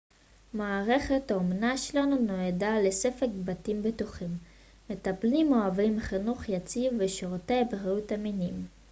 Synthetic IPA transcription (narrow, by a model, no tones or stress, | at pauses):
maːʁe̞χet̪aomnaʃelanunoedalesefekbatimbetuχimː | etaplimoavimχinuχjat͡sivveʃoʁt̪ebeʁeutaminim